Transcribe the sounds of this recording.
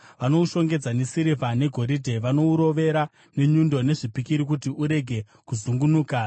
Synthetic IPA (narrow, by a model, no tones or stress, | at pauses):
ʋano̞uʃo̞ŋɡe̞d͡zanesiɾivʱane̞ɡʱo̞ɾidʱe̞ʋano̞uɾo̞ʋe̞ɾa | ne̞ɲundo̞ne̞ʐipikiɾikutiʔuɾe̞ɡʱe̞ | kuzuŋɡunuːka